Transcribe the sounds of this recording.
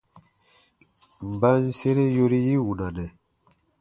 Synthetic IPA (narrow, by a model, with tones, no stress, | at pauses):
m̩˨ba˦n˦se˦ɾe˦jo˦ɾi˦ji˦wu˨na˨nɛ˨